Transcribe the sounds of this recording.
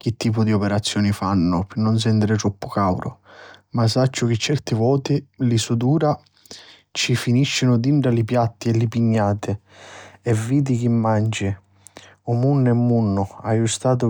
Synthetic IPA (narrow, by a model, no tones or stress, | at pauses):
k̟ɪt̪ːiːpʊd̪iɔpɛɾat̪sːjɔːnɪfanːʊpɪnːʊns̬ɛnd̪ɪɾɪt̪ɾɔpːʊkawɾʊ̰masːat͡ʃːʊk̟ɪt͡ʃːɛrt̪ɪvɔːt̪ɪlɪsud̪uːɾa | t͡ʃifiniʃːɪnʊd̪iɳʈɾalɪpjat̪ːɪɛlɪpiɲːaːt̪ɪ | ɛvːiːd̪ik̟imːand͡ʒɪ | ʊmunːʊɛmːunːʊajust̪aːt̪̬ʊ